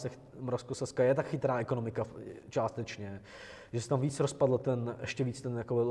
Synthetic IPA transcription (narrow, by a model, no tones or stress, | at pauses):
sɛ | mɾofskosɛskajɛt̪akxɪt̪ɾaːʔɛkonomɪkat͡ʃaːst̪ɛt͡ʃɲɛ | ʒɛsɛt̪amviːt͡sɾospadl̩t̪ɛnʔɛʃcɛviːt͡st̪ɛnjakoɪ